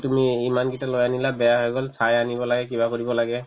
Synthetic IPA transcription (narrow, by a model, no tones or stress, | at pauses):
tumiimanɡitalojanilabɛjaɦojɡɔlsʰajanibɔlaɡɛkibakoɹibɔlaɡɛ